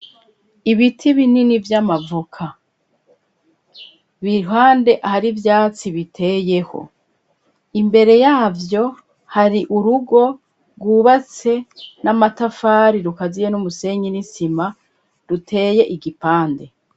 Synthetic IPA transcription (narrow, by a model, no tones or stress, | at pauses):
iβitʰiβininivjamavukʰa | βiɦwaːnde̞ʔahaɾivjaːt͡siβitʰe̞ːje̞ho̞̰ | imbe̞ɾe̞jaːvjo̞ | haɾiʔuɾuɡo̞ | ɡuβat͡se̞namatafaːɾiɾukazijenumuse̞ɲinisima | ɾutʰe̞ːje̞ʔiɡipaːnde̞